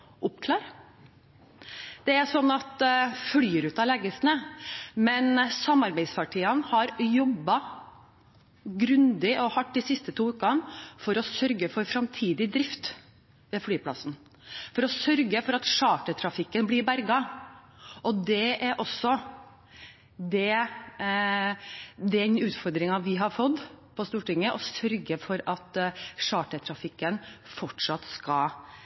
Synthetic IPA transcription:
ʔʊpkʰlɑːɾ | d̪̥ɛæsɔnːɑt̪flyːɾʉːt̪ɑlɛɡəsnəmɛnsɑmɑɾbæɪd̪spɑʈʰiːɑnhɑɾjɔbːɑ | ɡɾʉnd̪ɪʔɔhɑʈːd̪ɪsɪst̪ət̪ʰuːʉːkɑnfɔɾɔsœɾɡəfɔɾfɾɑmt̪ʰiːd̪ɪd̪ɾɪft̪ | ʋeːflyːpʰlɑ̰sn | fɔɾɔsœɾɡəfɔɾɑt̪ʂɑːʈət̪ʰɾɑfɪkːənblɪɾbæɾɡɑ | ʔɔd̪ɛʔæɾʔɔsːɔ | d̪ɛ | d̪ɛnʉːt̪fɔɾd̪ɾɪŋɑʋɪɦɑɾfɔd̪ːpʰɔst̪uːʈɪŋːəʔɔsœɾɡəfɔɾɑt̪ʂɑːʈət̪ʰɾɑfɪkːənfɔʈʂɑt̪skɑ

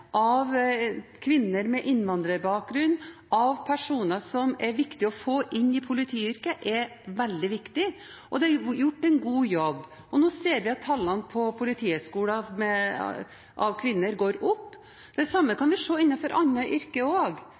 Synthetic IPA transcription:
ʔɑʋkʰʋɪnːəɾmɛʔɪnːʋɑnd̪ɾəɾbɑːk̚ɡɾʉnːʔɑʋpʰæʂuːnəʂɔmɛɾʋɪkt̪ɪɔfoːʔɪnːɪpʰʊlɪt̪ʰiːʏɾkəʔɛɾʋɛld̪ɪʋɪkt̪ɪ | ʔɔd̪ɛɑjʊʈːɛnɡuːjɔbː | ɔnoːseːɾʋɪɑt̪ʰːɑlːɑnpʰɔpʰʊlɪt̪ʰiːøʂkuːləmɛ̰ | ʔɑʋkʰʋɪnːəɾɡoːɾʊpː | d̪̥ɛsɑmːəkɑnʋɪʂoːɪnːɑfɔɾʔɑnːəʔʏɾkəoːɡ

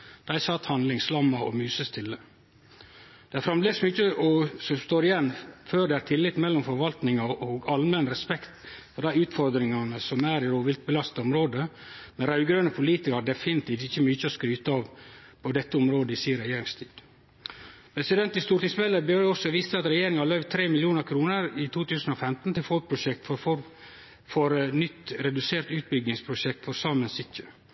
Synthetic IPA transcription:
d̪̥æɪsɑt̪hɑnlɪŋslɑmːɑɔ̰mʉːsəst̪ʰɪlːə | d̪̥ɛæfɾɑmbleːsmyːt͡ʃːəɔsɔst̪oːɾɪjɛnːføːɾɖ̪ɛæɾt̪ʰɪlːɪt̪mɛlːɔmfɔɾʋɑlt̪nɪŋɑʔɔɡɑlmɛnɾɛspɛkt̪fɔɾɖ̪æɪʉːt̪fɔɾd̪ɾɪŋɑnəsɔmæːɾɪɾoːʋɪlt̪̚bəlɑst̪ɔmɾoːd̪ə | mɛnɾɑʉɡɾønəpʰʊliːt̪ɪkɑɾd̪ɛfɪnɪt̪ʰiːft̪ɪçːəmyːçəɔskɾyːt̪əɑːʋpʰɔd̪ɛt̪ːəɔmɾoːd̪əɪsiːɾɛjeːɾɪŋst̪ʰiːd̪̥ | pʰɾɛsɪd̪ɛnt̪ɪst̪uːɾt̪iːsmɛlːəbøɔsɔʋiːst̪əɑt̪ɾɛjeːɾɪŋɑlœʏʋt̪ʰɾeːmɪlɪuːnəɾkʰɾuːnəɾɪt̪ʰuːt̪ʰʉːsn̩ɔfɛmt̪n̩t̪ɪlfɔl̚pʰɾʊʃɛk̚t̪ | fɔɾnʏt̪ːɾɛd̪ʉseːɾt̪ʉːt̪̚bʏɡnɪŋspʰɾʊʃɛkt̪fɔɾsɑːmənsɪt̪ʰːə

